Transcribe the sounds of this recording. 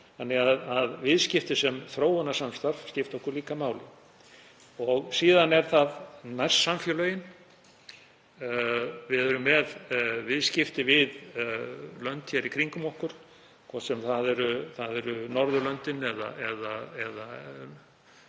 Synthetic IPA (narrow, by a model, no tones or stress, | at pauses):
θanːɛɣaðaðvɪðscɪft̪ɪsɛmθɾoːwanasamst̪aɾvscɪft̪ɔhkʏɾliːkamaːwlɪ | ɔɣsiːðanɛɾ̥θaðnajr̥sːamfjœlœjɪn | vɪðɛɾʏmːɛðvɪðscɪft̪ɪvɪð | lœnt̪çɛɾikʰɾiŋkʏmɔhkʏɾ̥ | kʰvɔsɛmθaðɛɾʏθaðɛɾʏnɔɾðʏlœnt̪ɪnɛða̰ɛðaɛða